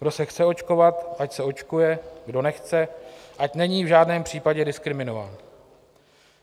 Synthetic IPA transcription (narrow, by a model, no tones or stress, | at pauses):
ɡ̥do̞sɛxt͡sɛot͡ʃko̞vat̪ʔacsɛo̞t͡ʃkujɛɡdo̞nɛxt͡sɛʔacnɛɲiːvʒaːdnɛːmpr̝̥iːpaɟɛdɪskɾɪmɪno̞va̰ːn